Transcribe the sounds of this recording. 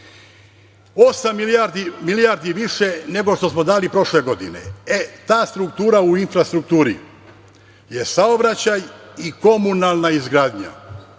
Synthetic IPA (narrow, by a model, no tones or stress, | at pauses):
osamːiaɾd̪imilijaɾd̪iʋiʃe̞ne̞ɡo̞ʃt̪o̞smo̞d̪aːlipɾo̞ʃle̞ɡo̞d̪inḛet̪aːst̪ɾukt̪uːɾauinfɾast̪ɾuk̚t̪uːɾḭ | je̞saobɾat͡ɕajiko̞munalˠnaizɡɾaːd̪ɲa̰